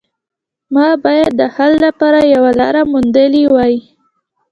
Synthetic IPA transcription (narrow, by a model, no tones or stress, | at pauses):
mɑbɑjad̪̚ːəhalːapɑɾajawalɑɾamund̪əliwɑji